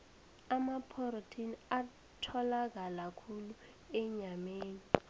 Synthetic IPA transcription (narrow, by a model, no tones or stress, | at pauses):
amapʰortʰina | tʰɔlak̬alakʰulu | ɛɲameːni